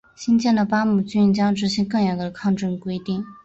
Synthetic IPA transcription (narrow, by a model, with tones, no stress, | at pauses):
ɕi˥nt͡ɕjɛ˥˩nd̪ə˩pa˥mu˨˩t͡ɕy˥n˥t͡ɕjɑ˥ŋʈ͡ʂɻ̩˧˥ɕi˥nkɤ˥˩ŋjɑ˨˩ŋd̪ə˧˩kʰɑ˥˧ŋʈ͡ʂɤ˥˩kwe˥ɪt̪i˥˩ŋ